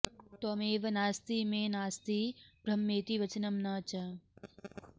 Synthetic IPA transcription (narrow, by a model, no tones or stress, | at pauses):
t̪oːmeːʋɐnaːst̪iːmeːnaːst̪iːbɾɐmːeːt̪iʋɐt͡ʃɐnɐmnɐːt͡ʃɐ